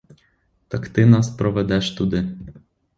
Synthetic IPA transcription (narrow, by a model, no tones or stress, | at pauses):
t̪ɐkt̪ɪnɑspɾɔʋɛd̪ɛʃt̪ud̪ɪ